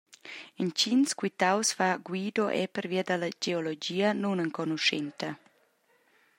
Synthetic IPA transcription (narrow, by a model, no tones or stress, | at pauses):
int͡ʃinskwit̪awsfaɡwiːd̪oʔɛ̰pəɾviəd̪alɐd͡ʒeolod͡ʒiːənunəŋkɔnuʃɛnt̪ɐ